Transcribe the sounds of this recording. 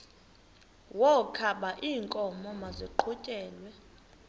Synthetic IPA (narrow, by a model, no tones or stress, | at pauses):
wɔkʰaɓaʔiːŋkʼɔmɔmaziǃʰucʼɛːlwɛ